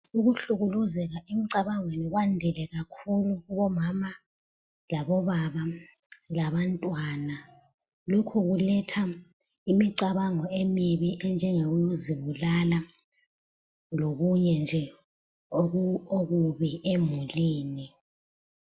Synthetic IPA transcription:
uɣuɬuɣuluzɛɣaʔemiǀaβaŋweniɣwandʱɛlɛɣakʰuluɣuβɔmama | laβɔβaβa | laβantʼwana | lokʰuɣulɛtʰa | imiǀaβaŋɔemiβiʔɛnd͡ʒʱɛŋeɣujoziβulala | loɣuɲɛnd͡ʒʱɛ | ooɣuβɛʔemuliːni

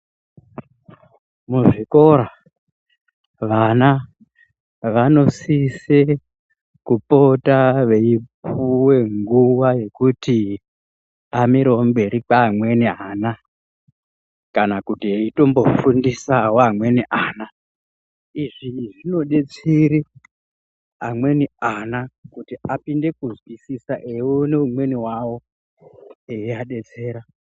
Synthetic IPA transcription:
muʐiko̞ɾa | ʋana | ʋano̞sise | kupo̞taʋe̞ipuwe̞ŋɡuwaje̞kuti | amiɾeombe̞ɾipaːmwe̞niaːna | kanakutieito̞mbo̞fundisawoamwe̞niʔaːna | iʐiʐino̞ɗe̞t͡siɾi | amwe̞nianakutiapinde̞kuzwisisaʔewune̞umwe̞niwawo̞ | eiaɗe̞t͡se̞ːɾa

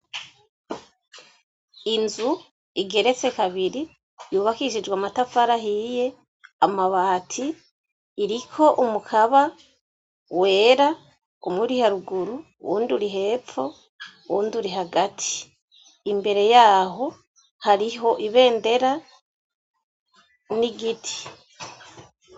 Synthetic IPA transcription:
inzu | iɡe̞ɾe̞t͡se̞kaβiɾi | juːβakiiʃid͡ʒwaːmatafaɾaɦije̞ | amaβaːtʰiː | ɾikʰo̞ʔumukʰaβa | we̞ːɾa | omwiɾihaɾuɡuɾu | wṵːnduɾiɦe̞ːfo̞ | wuːnduɾiɦaɡatʰi̥ː | mbe̞ɾe̞jaːɦo̞ | haɾiho̞ʔiβe̞ːnde̞ɾa | niɡitʰi̥

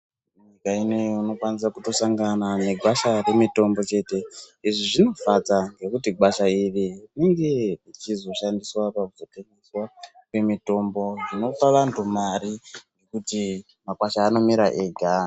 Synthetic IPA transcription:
muɲikaineuno̞kwanisakuto̞saŋɡanane̞ɡʱwaʃare̞mito̞mbo̞t͡ʃe̞te̞iʐiʐino̞fad͡zaŋɡe̞kutiɡwaʃairineŋɡe̞it͡ʃizo̞ʃandiswapakuzo̞teŋeswa | kwe̞mito̞mbo̞ʐino̞taurandomaɾiŋɡe̞kuti | makwaʃaːno̞miɾaʔeːɡʱa

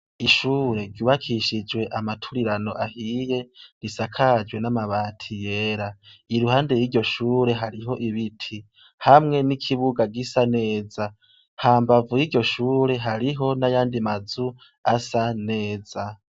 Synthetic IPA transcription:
iʃuːɾe̞ɾɟuːβakʰiʃid͡ʒwe̞ʔamatʰuɾiɾano̞ʔahiːje̞ɾisakʰad͡ʒɡwe̞namaβaːtʰije̞ːɾaiɾuhaːnde̞jiːɟo̞ʃuːɾe̞ɦaɾiɦo̞ʔiβitʰi | hamŋe̞nikʰiβuɡaɡisane̞ːza | haːmbavujiɟo̞ʃuːɾe̞ɦaɾiɦo̞najaːndimazu | asane̞ːza

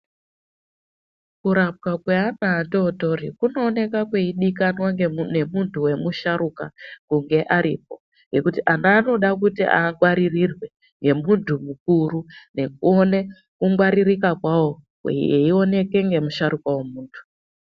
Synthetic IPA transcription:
kuɾap̚kakweanaːtoto̞ɾḭkuno̞ːne̞kakweiɗikanwane̞muntʰuwe̞muʃaɾukakuŋɡe̞ʔaɾḭːp̚o̞ | ŋɡe̞kutiʔanaːno̞ɗakutiʔa̰ŋɡwaɾirirwe̞ | ŋɡe̞muntʰumukuɾune̞k̚uone̞ | kuŋɡwaɾirikakwawo̞ | kwḛeio̞ne̞ke̞ŋɡe̞muʃaɾukawemuːntʰu̥

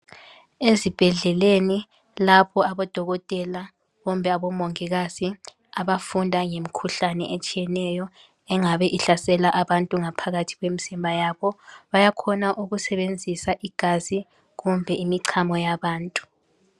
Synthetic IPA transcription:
ezib̥ʱɛɮɛleni | lapʰɔaβɔd̥ʱɔɣɔtʼɛla | ɣumbʱɛaβɔmoŋiɣazi | aβafundʱaŋemikʰuɬanɛ̰ʔet͡ʃʼijɛnɛjɔ | ɛŋaβɛʔiɬasɛlaʔaβantʼuŋapʰaɣatʰi̥ɣwemizimbʱajaβɔβajakʰɔnaʔuɣusɛβend͡zʱisaʔiɡ̥ʱazi | ɣumbʱɛimiǀʰamɔjaβaːntʼu̥

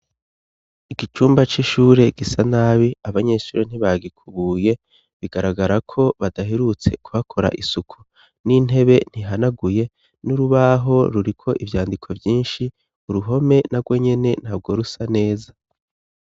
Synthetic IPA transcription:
iɡit͡ʃuːmbat͡ʃiʃuːɾe̞ɡ̥isanaːβiaβaɲe̞ʃuːɾen̥iβaɡikʰuβuːje̞ | βiɡaɾaɡaɾakʰo̞βadaɦeɾut͡se̞̰kʰuβakʰo̞ɾa̰ʔisukʰu̥ | nin̥ɦe̞βe̞n̥hiɦanaɡuje̞ | nuɾuβaɦo̞ɾuɾikʰo̞ʔivjaːndikʰovjiːnʃi | uɾuɦo̞me̞naɾɡwo̞ɲe̞ne̞n̥haːbɡo̞ɾusane̞ːza

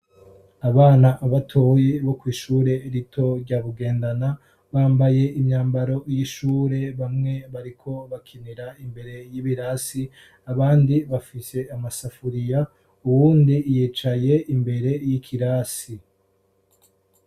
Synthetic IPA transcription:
aβaːnaʔːβatʰo̞jiβo̞kwiːʃuːɾe̞ɾitʰo̞ɾɟaːβuɡe̞ːndana | βaːmbaje̞ʔimɲaːmbaɾo̞jiʃuːɾe̞βamŋe̞βaɾikʰo̞βakʰiniɾaimbe̞ɾe̞jiβiɾasi | aβaːndiβafise̞amasafuɾija | uwuːndijiːt͡ʃaje̞imbe̞ɾe̞jikʰiɾaːsi

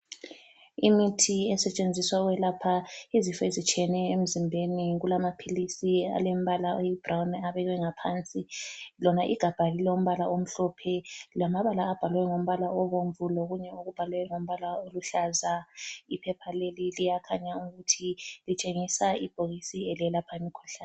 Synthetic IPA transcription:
imitʰiɛsɛt͡ʃʼend͡zʱiswawɛlapʰaizifɛizit͡ʃʼɛnɛem̩zimbʱeniɣulamapʰilisia̰lem̩βalaojib̥rawnaβɛɣɛŋapʰant͡sʼilɔnaʔiɡ̥ʱab̥ʱalilɛum̩βalaʔom̩ɬɔpʰɛlamaβalaːb̥ʱalwɛŋom̩βalaɔβoɱvulɔɣuɲɛuɣub̥ʱalɛwɛŋom̩βalaoluɬazaipʰɛpʰalelilijakʰaɲauɣutʰilit͡ʃʼeŋisaib̥ʱoɣisiɛliɛlapʰamikʰɔɬaːn

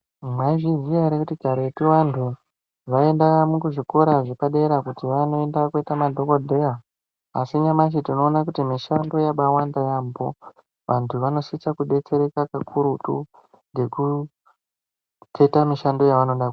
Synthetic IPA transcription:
maiʐizijaɾekutiɡʱaɾoetiʋantʰu | ʋae̞ndakamukuʐiko̞ɾaʐekaɗe̞ɾakutiʋano̞e̞ndakueitamadʱo̞kodʱeja | a̰siɲamaʃ̬itino̞ːnakutimiʃando̞jaɓawandajambo̞ | ʋantʰuʋano̞sit͡sakuɗe̞t͡se̞ɾe̞kakakʰuɾutṵ | nɡe̞ku | tʰe̞tamiʃando̞jaʋano̞ɗak

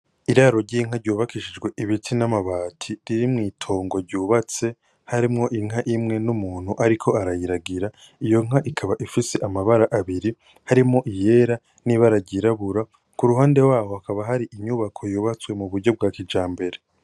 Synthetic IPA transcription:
iɾaɾo̞ɾɟiːŋ̥aɾɟuːβakiʃid͡ʒɡwe̞ʔiβitʰinamaβaːtʰiɾiɾimŋiːtʰo̞ːŋɡo̞ɾɟuːβat͡se̞ | haɾimŋo̞ʔiŋ̥aʔimŋe̞numuːn̥huʔaɾikʰo̞aɾajiɾaɡiɾa | ijo̞ŋ̥aʔikʰaβaʔifise̞ʔamaβaɾaʔaβiɾi | haɾimŋo̞ʔije̞ɾa | niβaɾaɟiɾaβuɾa | kuɾuɦaːnde̞waːhoakaβaɦaɾiʔimɲuβakʰo̞juːβat͡swe̞muβuɾɟo̞b̚ɡaːkid͡ʒaːmbe̞ɾe

